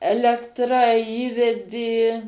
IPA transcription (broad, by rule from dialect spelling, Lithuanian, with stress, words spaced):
ˈæːlʲɛktrɐ ˈiːʋʲɛdʲeː